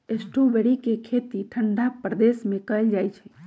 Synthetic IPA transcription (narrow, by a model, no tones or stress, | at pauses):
esʈʰubeɽikekʰet̪iʈʰəɳɖapɾəd̪esmẽkəjld͡ʒajt͡ʃʰɛ